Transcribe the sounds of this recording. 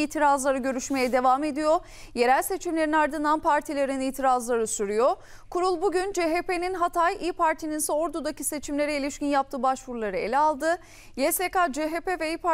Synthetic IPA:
iːt̪ʰiɾazlˠaɾɯɟø̞ɾyʃme̞jɛd̪e̞vaːme̞d̪ijo̞ | je̞ɾælʲse̞t͡ʃʰimlʲe̞ɾinaɾd̪ɯnd̪anpʰaɾt̪ʰilʲe̞ɾiniːt̪ʰiɾazlˠaɾɯsyɾyjo̞ | kʰuɾulˠbuɟynd͡ʒeɦepe̞ninɦat̪ʰajiːpʰaɾt̪ʰininsɛo̞ɾd̪ud̪acise̞t͡ʃʰimlʲe̞ɾɛilʲiʃcinjap̚t̪ʰɯːbaʃvuɾlˠaɾɯe̞̰lʲɛalˠd̪ɯ | jesekad͡ʒeɦepevɛiːpa

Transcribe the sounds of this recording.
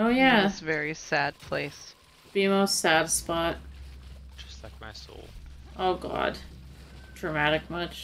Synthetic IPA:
oʊjæsvɛɹisæd̚pʰl̥eɪs | b̥iɨmoʊstsæd̥spɑt̚ | d͡ʒ̥ʌ̥stˡlaɪk̚maɪso̰ʊlˠʔoʊɡɑ̰d̥ | d̥ɹɨmæɾɨk̚mʌt͡ʃ

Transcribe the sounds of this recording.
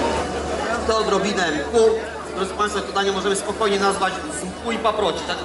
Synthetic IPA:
at̪ɔd̪ɾɔbʲinɛmku | d̪ɾɔd̪zɨ̥pãj̃st̪fat̪ɔd̪aɲɛmɔʐɛmɘspɔkɔjɲɛnazvad͡ʑuzumkuipapɾɔt͡ɕit̪ak

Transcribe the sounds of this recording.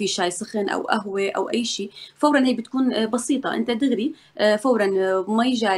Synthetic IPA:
fiʃaːjsˤɪxɪnʔa̰wʔa̰ɦweʔa̰wʔajːʃiːfawɾˤɑnheːk̚bɪt̪̚kuːnbɑsiːt̪ˤɑ̰ʔɪ̰nt̪at̪ɪɣɾi | fawɾˤɑnmajɪʒaː

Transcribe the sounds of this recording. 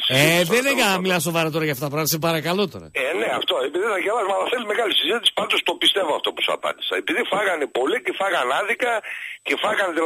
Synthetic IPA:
seðeneɐmilɐso̞vɐɾot̪oɾɐʝɐft̪ot̪ːɐpɾɐmt̪sepɐɾɐkɐlo̞t̪oɾɐ̰eneɐft̪o̞epiðiθɐʝelɐzumɐlɐθelime̞ɣɐlisizit̪isi̥pɐnd̪ost̪o̞pist̪evoɐft̪o̞pu̥sɐ̰pɐ̰nd̪i̥sɐepiðifɐɣɐnepo̞licefɐɣɐnɐðikɐcefɐɣɐnði

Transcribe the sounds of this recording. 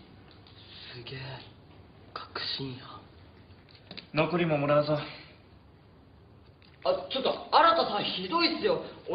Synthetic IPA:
ssɨɡeː | kʰḁkɯ̟̥ɕĩɰja | nokoɾʲimomoɾaβazo | at͡ɕo̞t̪ːoaɾat̪asãçid̪o̞id̪esɨjo̞o

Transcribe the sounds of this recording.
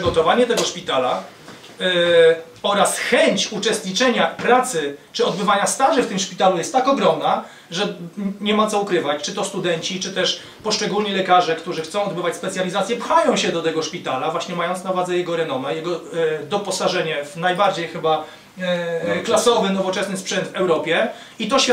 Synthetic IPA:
ɨɡɔt̪ɔvaɲɛt̪ɛɡɔʂpʲit̪ala | ɔɾasxɛɲt͡ɕut͡ʂɛst̪ɲit͡ʂɛɲapɾat̪sɘt͡ʂɘɔd̪̚bɘvaɲast̪aʐɘft̪ɘmʂpʲit̪alujɛst̪ːakɔɡɾɔmna | ʐɛɲɛmat̪sɔukɾɘvat͡ɕt͡ʂɘt̪ɔst̪ud̪ɛɲt͡ɕit͡ʂɘt̪ɛʂ | pɔʂt͡ʂɛɡulɲɛlɛkaʐɛkt̪uʐɘxt̪ɔ̃w̃ɔd̪bɘvat͡ɕʲspɛt̪sʲjalʲizat̪sʲjɛpxajɔ̃w̃ɕɛd̪ɔt̪ɛɡɔʂpʲit̪alavwaɕɲɛmajɔnt̪navwad̪zɛjɛɡɔɾɛnɔmɛjɛɡɔd̪ɔpɔsaʐɛɲɛvnajbaɾd͡ʑejxɘba | klasɔvɘnɔvɔt͡ʂɛsnɘspʂɛnd̪vɛwɾɔpʲjɛ | it̪ɔɕʲ

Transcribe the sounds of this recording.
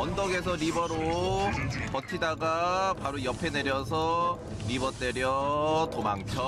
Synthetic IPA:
ʌndʌɡe̞s̬ʰʌɾibʌɾo | pʌtʰidaɡapaɾojʌpʰe̞ne̞ɾjʌs̬ʰʌ | ɾibʌt͈eɾjʌtomaŋt͡ɕʰʌ

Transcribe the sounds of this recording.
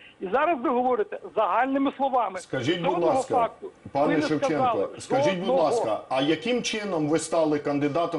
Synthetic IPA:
izɑɾɐzʋɪɦɔʋɔɾɪt̪ɛzɐɦɑlʲnɪmɪslˠɔʋɑmɪskɐʒit̚ʲbud̪lˠɑskɐfɑk̚t̪ʊpɑnɛʃewt͡ʃɛnkɔskɐʒit̚ʲbud̪lˠɑskɐɐjɐkɪmt͡ʃɪnɔmʋɪst̪ɑlˠɪkɐnd̪ɪd̪ɑt̪ɔ

